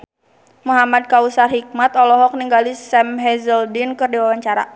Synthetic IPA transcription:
muɦamad̚kausarɦik̚mat̪ɔlɔɦɔk̚niŋɡalisɛmɦɛzəldɪnkɨrdiwawaɲt͡ʃaɾa̰

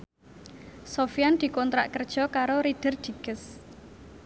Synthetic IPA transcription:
sofijand̪̥i̤kɔnt̪ɾaʔkərd̥ʒ̥ɔ̤kaɾoɾid̥ə̤rd̪̥i̤ɡ̥əs

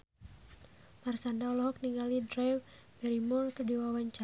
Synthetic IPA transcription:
marsandaɔlɔɦɔk̚niŋɡalidɾaw | bɛɾimɔlkədiwawaɲt͡ʃa

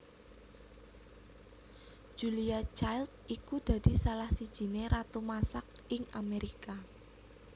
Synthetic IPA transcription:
ʒ̥uliat͡ʃajlt̪̚ʔikud̪̥a̤d̪̥i̤salahsid̥ʒ̥i̤neɾat̪umasak̚ɪŋameɾʔika

